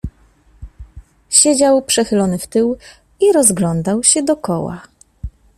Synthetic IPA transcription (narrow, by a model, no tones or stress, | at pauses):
ɕed͡ʑawpʂɛxɘlɔnɘft̪ɘw | iɾɔzɡlɔnd̪awɕɛd̪ɔkɔwa̰